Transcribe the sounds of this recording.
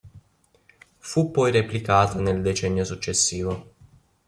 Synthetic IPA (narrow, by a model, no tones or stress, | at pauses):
fupːɔjreplikaːt̪aneld̪et͡ʃɛnːjosut͡ʃːesːiːvo